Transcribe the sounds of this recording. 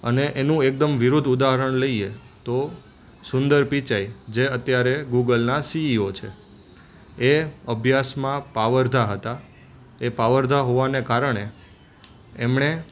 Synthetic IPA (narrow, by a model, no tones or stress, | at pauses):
ə̰neʔenũek̚d̪əmʋiɾud̪ʱud̪aɦəɾəɳ̃ləie | t̪o | sʊnd̪əɾpit͡ʃajd͡ʒeət̪jaɾeɡuɡəlnasiːot͡ʃʰe | eəbʱjasmãpaʋəɾd̪ʱaɦət̪a | epaʋəɾd̪ʱaɦoʋanekaɾəɳ̃e | emɳe